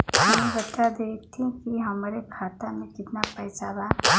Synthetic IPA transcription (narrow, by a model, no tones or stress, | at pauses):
mɛ̃bətad̪et̪ʰĩkiɦɐmɾekʰaːt̪amẽkɪt̪napəjsaba